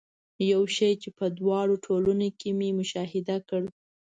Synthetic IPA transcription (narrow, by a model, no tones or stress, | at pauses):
jawʃəjt͡ʃepəd̪wɑɽoʈʰolunokememʊʃɑɦɪd̪akəɽ